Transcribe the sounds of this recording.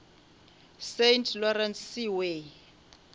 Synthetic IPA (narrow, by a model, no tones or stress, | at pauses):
sentʰlɔrɛnsːiwe